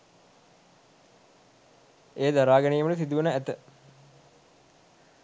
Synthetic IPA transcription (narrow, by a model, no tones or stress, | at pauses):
eːd̪aɾaːɡɛnejəməʈəsid̪uʋənəæt̪ə